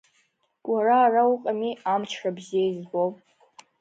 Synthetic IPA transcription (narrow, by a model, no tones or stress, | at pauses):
wʔaraːrauqʼamiamt͡ʃʰrabzijaizɡow